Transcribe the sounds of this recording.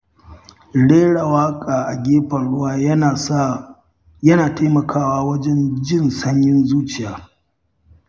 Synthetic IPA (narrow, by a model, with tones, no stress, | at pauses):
ɽeː˦ɽa˨waː˦kʼaː˨ʔa˨ɡʲeː˦ɸɐ˨ɽʊ˦waː˦˨˦ | jɐ˦naː˨ta˦mɐ˨kʰaː˦waː˦wɐ˦d͡ʒɛ˦nd͡ʒɪ˦nsɐ˦ɲjɪ˦nzuː˦t͡ʃɪ˨jaː˦